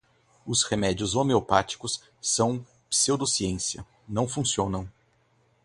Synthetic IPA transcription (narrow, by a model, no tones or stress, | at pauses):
ʊshemɛd͡ʒiʊzomeopat͡ʃi̥kʊsː | ɐ̃w̃ | pseod̪osiẽsiɐ̰ | nɐ̃w̃fũsiõnɐ̃w̃